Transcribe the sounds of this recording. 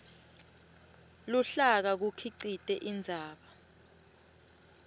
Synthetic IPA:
luɬak̬ak̬ukʰiǀitʼɛʔind͡zʱaːɓa

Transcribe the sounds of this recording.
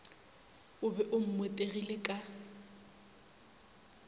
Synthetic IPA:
ʊbɛʔʊm̩mwetʼeɣilekʼa

